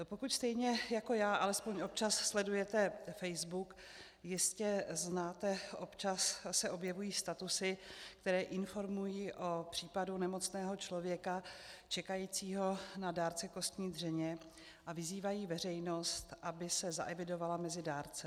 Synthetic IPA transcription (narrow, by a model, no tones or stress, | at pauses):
po̞kucst̪ɛjɲɛjako̞jaːʔalɛspo̞ɲʔo̞p̚t͡ʃasːlɛdujɛt̪ɛfɛjzbuk | jɪscɛznaːt̪ɛʔo̞pt͡ʃasːɛʔo̞bjɛvujiːst̪at̪usɪkt̪ɛɾɛːʔɪnfo̞ɾmujiːʔo̞pr̝̥iːpadunɛmo̞t͡snɛːɦo̞t͡ʃlo̞vjɛkat͡ʃɛkajiːt͡siːɦo̞nadaːɾt͡sɛko̞st̪ɲiːd̪r̝ɛɲɛ | ʔavɪziːvajiːvɛr̝ɛjno̞st̪ʔabɪsɛza̰ʔɛvɪdo̞valamɛzɪdaːɾt͡sɛ